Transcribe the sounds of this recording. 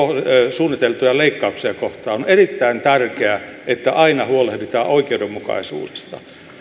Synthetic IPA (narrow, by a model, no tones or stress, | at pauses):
osuːnːit̪elt̪ujɑleikːɑuksiɑkoht̪ɑːonerit̪ːæint̪ærkeæʔet̪ːæʔɑinɑhuolehbit̪æːʔoikeudemːukɑ̰isṵːde̥st̪ɑ̰